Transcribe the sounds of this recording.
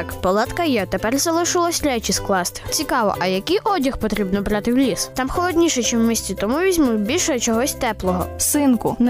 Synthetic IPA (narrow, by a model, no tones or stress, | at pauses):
kpɔlˠɑt̪kɐjɛt̪epɛrzɐlˠɪʃɪlˠɔsʲɾʲɛt͡ʃisklˠɑst̪ɪ̥t͡sʲikɑʋɔ̰ʔɐjɐkijʔɔdʲɐxpɔt̪ɾʲibnɔbɾɑt̪ɪwlʲist̪ɑmxɔlˠɔd̪ʲnʲiʃɛt͡ʃɪwmʲisʲt͡sʲit̪ɔmuʋʲizʲmujʲbʲilʲʃɔɛt͡ʃɔɦɔsʲt̪ɛplˠɔɦɔ̰sɪnkʊn